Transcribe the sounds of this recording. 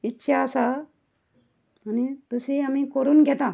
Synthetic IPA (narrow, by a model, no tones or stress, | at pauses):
itːɕʰaːsa | anit̪əseamiːkoɾuːnɡʱɛt̪a